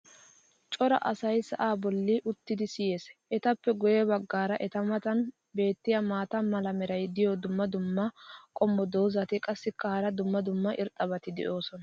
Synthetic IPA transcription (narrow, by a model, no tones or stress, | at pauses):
t͡ʃʼɔɾɐ̰ʔɐsɐjsɐʔaːbɔlːɪʔʊt̪ːɪd̪ɪsɪjeːsʔɛt̪ɐpːɛɡɔjɛbɐɡːaːɾɐʔɛt̪ɐmɐt̪ɐn | be̞ːt̪ːɪjɐmaːt̪ɐmɐlɐmɛɾɐjd̪ɪjɔd̪ʊmːɐd̪ʊmːɐkʼɔmːɔd̪o̞ːzɐt̪ɪkʼɐsːɪkːɐhɐɾɐd̪ʊmːɐd̪ʊmːɐʔɪɾt̪ʼːɐbɐt̪ɪd̪ɛ̰ʔo̞ːsɔnɐ